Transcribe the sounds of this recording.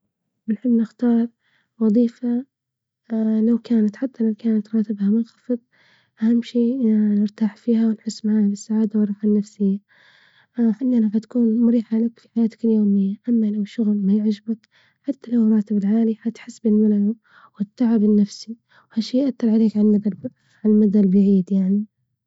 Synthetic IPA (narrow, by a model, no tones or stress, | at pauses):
bɪlħɪbːnɪxt̪ɑːɾˤ | wɑðˤiːfa | lawkaːnat̪ħat̪ʰːalawkaːnat̪ɾˤɑːt̪ɪbhamʊnxɑ̥fɨðˤ | ʔahamːʃiːnɪɾt̪aːħfiːɦawɪnħʊsːmaʕaːhabɪsːaʕaːd̪awɨrˤɑħanːafsɪjːa | ħalːanafat̪ḁkuːnmʊɾiːħalakfiħajaːt̪ḁkɪljoːmɪjːaʔamːalawʃʊɣlmajɪʕd͡ʒbat̪ | ħat̪ːalawɾˤɑːt̪ɪbɪlʕaːlifat̪ħɪsːbɪlmalʕa | wɪt̪ːaʕɪbɪnːafsi | whaʃːiːjʔat̪ːɑɾˤʕaleːkʕaad̪ | ʕamad̪albaʕiːd̪jaʕni